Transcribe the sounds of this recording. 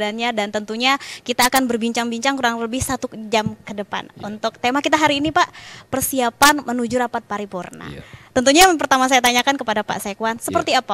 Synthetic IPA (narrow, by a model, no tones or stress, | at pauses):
anɲadant̪ənt̪uɲakit̪aːkanbərbiɲt͡ʃaŋbiɲt͡ʃaŋkuɾaŋləbɪhsat̪ud͡ʒamkədəpa̰nunt̪ʊk̚t̪emakit̪aɦaɾiːnipaʔpərsiapanmənud͡ʒuɾapat̪̚paɾipurna̰t̪ənt̪uɲapərt̪amas̬ajat̪aɲakankəpadapa̰ʔsaekuwansəpərt̪iapa